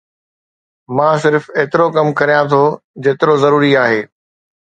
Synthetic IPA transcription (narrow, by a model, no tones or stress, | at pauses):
mãːs̬ɪɾfeːt̪ɪɾokɐmkɐɾijãt̪ʰod͡ʑeːt̪ɪɾozɐɾuːɾiaːɦeː